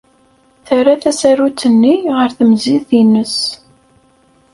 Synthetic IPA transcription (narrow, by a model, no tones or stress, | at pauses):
θæɾaθæsæɾut͡sːənːiʁəɾθəmziθinəs